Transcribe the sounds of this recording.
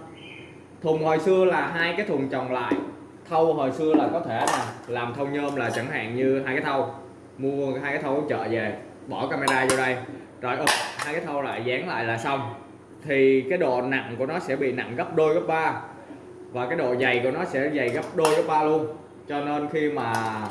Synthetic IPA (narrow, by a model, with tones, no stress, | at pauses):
t̪ʰʊ˨˩ŋ͡mho˨˩jsɨ˧əlaː˨˩ɦaː˧jkaː˨˦jt̪ʰʊ˨˩ŋt͡ɕɔ˨˩ŋ͡mla̰ː˧˨j | t̪ʰə˧wɦoː˨˩jsɨ˧əlaː˨˩kɔ˨˦t̪ʰe˧˩maː˨˩laː˨˩mt̪ʰə˧wŋ͡mɲəː˧mlaː˨˩t͡ɕə˧˩ŋha̰ː˧˨ŋɲɨ˧ɦaː˧jkaː˨˦jt̪ʰə˧w | mu˧əaː˧jkaː˨˦jt̪ʰə˧wkːŋ͡mt͡ɕə̰ː˧˨ze˨˩ | ɓɔ˧˩kaː˧ma˧ɗaː˧zɔ˧ɗə˧j | zɔ˨˩jʔə˧˩haː˧jkaː˨˦jt̪ʰə˧wla̰ː˧˨jzaː˨˦ŋla̰ː˧˨jlaː˨˩sa˧w | t̪ʰi˨˩kaː˨˦jɗo̰˧˨na̰˧˨ŋku˧˩ənɔ˨˦sɛ̰˧˥ɓḭ˧˨na̰˧˨ŋɣə˦˥p̚ɗo˧jɣə˦˥p̚ɓaː˧ | vaː˨˩kaː˨˦jɗo̰˧˨za˨˩jku˧˩ənɔ˨˦sɛ̰˧˥za˨˩jɣə˦˥p̚ɗo˧jɣə˦˥p̚ɓaː˧lu˧ən | t͡ɕɔ˧ne˧nxi˧maː˨˩